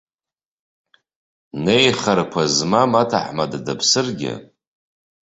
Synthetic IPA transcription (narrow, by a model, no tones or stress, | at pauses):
ne̞jχarkʷʰazmamatʰa̰ħmaddapʰsɨrɡʲɪ̰